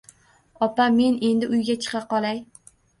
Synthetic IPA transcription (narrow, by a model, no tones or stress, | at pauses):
ɒpame̞ne̞nd̪ɪʔʊjɡʲat͡ʃʰɨ̥qɑqɒlˠaj